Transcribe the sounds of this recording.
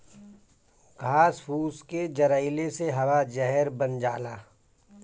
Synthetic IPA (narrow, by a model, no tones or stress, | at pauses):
ɡʱaːspʰuːsked͡ʒɐɾəɪleseɦɐwad͡ʒɛɦɛɾbənd͡ʒaːlaː